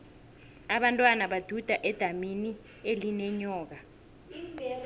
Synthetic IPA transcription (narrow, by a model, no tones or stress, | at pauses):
aɓantʼwanaɓad̥ʱud̥ʱaʔɛd̥ʱamini | elinɛɲɔːk̬a